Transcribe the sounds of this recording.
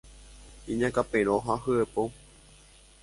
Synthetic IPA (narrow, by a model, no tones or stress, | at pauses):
iɲãkapẽɾ̃oɦaɦɨepo